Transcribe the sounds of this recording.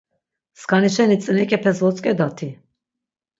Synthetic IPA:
skʰaniʃɛnit͡s̪ʼənɛkʼɛpʰɛsvɔt͡sʼkʼɛd̪at̪ʰi

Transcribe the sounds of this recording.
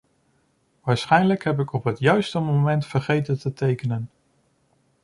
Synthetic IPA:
ʋaːɹsχɛjnləkɦɛp̬ɪkɔpɦətjœɥstəmowmɛntfəɹχejtəntətejkənən

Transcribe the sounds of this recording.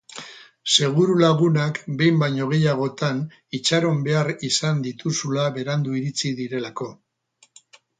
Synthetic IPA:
se̞ɣ̞uɾulaɣunakbe̞jmbajɲo̞ɣ̞e̞jaɣ̞o̞t̪an | it͡ʃaɾo̞mbe̞aɾisand̪it̪usulaβe̞ɾand̪uiɾit͡siðiɾe̞lako̞

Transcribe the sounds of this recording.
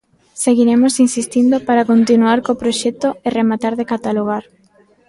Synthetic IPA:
seɣiɾemosinsist̪ind̪opaɾakont̪inuaɾkopɾoʃɛt̪oeremat̪aɾðekat̪aloɣ̞aɾ

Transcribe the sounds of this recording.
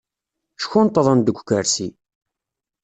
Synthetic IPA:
ʃçunt̪ˤːðˤɑnd̪əɡʷkːəɾsi

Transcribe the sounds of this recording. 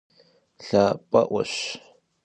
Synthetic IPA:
ɬaːpʼɐʔʷɐ̰ɕ

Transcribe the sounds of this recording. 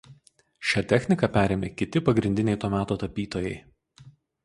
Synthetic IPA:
ʃʲæːt̪ʲɛxʲnʲɪkɐpʲæːɾʲeːmʲekʲɪt̪ʲɪpɐɡɾʲɪnʲd̪ʲɪnʲɛɪt̪oːmʲæːt̪oːt̪ɐpʲiːt̪oːjɛɪ

